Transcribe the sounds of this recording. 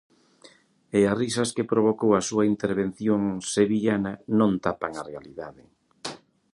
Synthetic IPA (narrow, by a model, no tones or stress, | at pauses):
easrisɐskepɾoβ̞okowɐsuaint̪eɾβ̞enθjoŋseβiʎanɐnõnt̪apaŋarealiðaðɪ